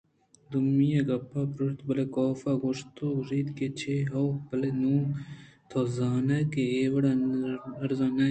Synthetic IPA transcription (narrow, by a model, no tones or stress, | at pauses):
d̪umijɐɡɐpʰːaːpɾoʃt̪bɐlekoːfaːɡoʂt̪ouʐiːd̪ket͡ʃʰeɦɐwbɐlenuːt̪ʰoːzaːnɐkeeːʋɐɽaɐɾzaːnɐ